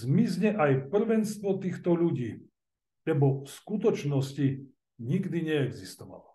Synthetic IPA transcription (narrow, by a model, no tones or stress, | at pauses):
zmizɲɛʔajpr̩ʋɛnst̪ʋɔt̪iːxt̪ɔʎuɟiː | lɛbɔfskut̪ɔt͡ʃnɔsci | ɲiɡd̪iɲɛɛɡzist̪ɔʋa̰lɔ